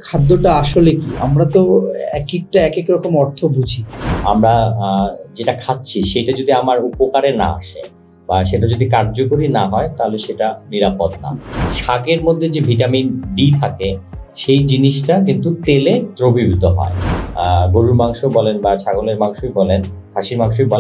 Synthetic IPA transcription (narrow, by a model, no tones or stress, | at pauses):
kʰad̪ːoʈaaʃolekia̰mɾat̪oɛ̰kek̚ʈaɛkekɾɔkomɔɾt̪ʰobʱud͡ʑʱiamɾa | d͡ʑeʈakʰat̪̚ːɕʰiʃejʈad͡ʑod̪iamaɾupokaɾena̰a̰ʃḛ | baʃeʈad͡ʑod̪ikaɾd͡ʑokoɾinaɦɔet̪aɦoleʃeʈaniɾapot̪na̰ʃakeɾmod̪ʱːed͡ʑebʱiʈaminɖit̪ʰakeʃejd͡ʑiniʃʈakint̪ut̪elet̪ɾobibʱit̪oɦɔ̰eɡoɾuɾmaŋʃobɔlenbat͡ɕʰaɡoleɾmaŋʃoibɔlenkʰaʃiɾmaŋʃojbɔl